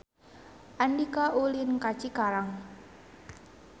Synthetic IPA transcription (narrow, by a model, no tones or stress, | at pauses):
ʔandikaʔulinkḁt͡ʃikaɾaŋ